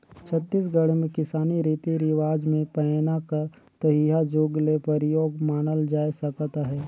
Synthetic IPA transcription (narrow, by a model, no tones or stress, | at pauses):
t͡ʃʰət̪ːis̬ɡəɽemẽkɪsaːniɾiːt̪iɾɪʋaːd͡ʒmẽpɛnakəɾ | t̪əɦiɦad͡ʒoːɡlepəɾɪjoːɡmaːnəld͡ʒaːisɐkt̪aɦɛː